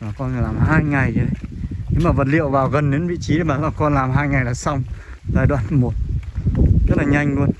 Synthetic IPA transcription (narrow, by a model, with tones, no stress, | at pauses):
aː˨˩kɔ˧nː˨˧˩laː˨˩mɦaː˧jŋa˨˩jzə˨˦ɗə˨˧˦jɲi˧˦ŋ͡mmaː˨˩və˨˩t̬̚lḭ˧˨ə˨wvaː˨˩wɣə˨˩nɗe˨˦nvḭ˧˨t͡ɕi˨˦ə˨˦maː˨˦laː˨˩kɔ˧nlaː˨˩mɦaː˧jŋa˨˩jlaː˨˦sa˧wŋ͡m | zaː˧jɗwa̰ː˧˨n˦mo˨˩t̚ | zə˦˥t̚laː˨˩ɲa˧jŋ̟lu˧ən